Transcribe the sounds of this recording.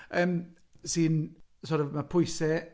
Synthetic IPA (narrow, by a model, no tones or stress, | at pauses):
əːm | siːnsɔɾɔvmapʰʊjsɛ